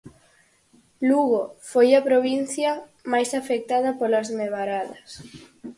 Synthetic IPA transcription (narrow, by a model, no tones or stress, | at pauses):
luɣofojɐpɾoβin̟θjɐ | majsafek̚t̪aðɐpolazmeβaɾaðɐs